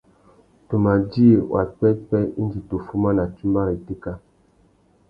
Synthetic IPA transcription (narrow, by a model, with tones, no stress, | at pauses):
to˨ma˨di˦e˨wʔa̰˨pɛ˦pɛ˦i˦n˦d͡ʒi˨to˨fu˦ma˦na˨ti˦mba˦ɾi˨ti˦ka˦